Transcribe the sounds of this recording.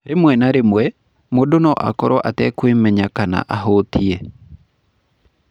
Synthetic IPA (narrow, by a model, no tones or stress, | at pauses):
ɾemwɛnaɾemwɛ | modonɔʔa̰kɔɾɔʔatɛkwemɛɲakana̰ʔaɦotʰiɛ